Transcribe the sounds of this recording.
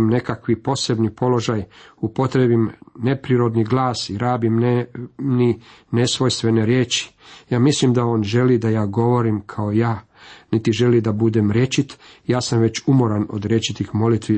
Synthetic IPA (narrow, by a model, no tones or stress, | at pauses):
mne̞kakʋipo̞se̞bnipo̞lo̞ʒajupo̞t̪ɾebimne̞pɾiɾo̞d̪niɡlˠaːsiɾaːbimnmni | ne̞sʋo̞jst̪ʋe̞ne̞ɾjeːt͡ʃi̥jaːmislimd̪ao̞ːnʒe̞lid̪ajaːɡo̞ʋo̞ɾimkʰaojaː | nit̪iʒe̞lid̪abud̪e̞mɾje̞t͡ʃit̪jaːsamʋe̞t͡ɕumo̞ɾano̰d̪ɾjet͡ʃit̪ixmo̞lit̪ʋi